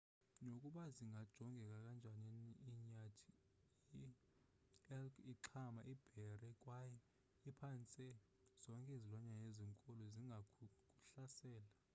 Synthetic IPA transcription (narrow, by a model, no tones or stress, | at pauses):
nokʼuɓaziŋɡʱad̥ʒ̥ʱɔŋɡʱɛkʼakʼand͡ʒʱaɲiniɲatʰi̥ | i | ɛliǁʰamaʔib̥ʱɛrɛkʼwajɛ | ipʰant͡sʼɛ | z̥ɔŋkʼezilwaɲajeziŋkʼɔlɔziŋɡʱakʼuɬasɛːla